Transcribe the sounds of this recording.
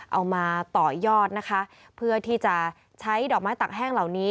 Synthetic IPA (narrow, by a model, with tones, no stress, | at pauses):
ʔa˧wmaː˧t̪ɔː˨˩jɔː˥˩t̪̚na˦˥kʰa˦˥ | pʰɯ˥˩ɐt̪ʰiː˥˩t͡ɕa˨˩ | t͡ɕʰa˦˥jdɔː˨˩k̚maː˦˥jt̪aː˨˩k̚ɦɛː˥˩ŋla˨˩wniː˦˥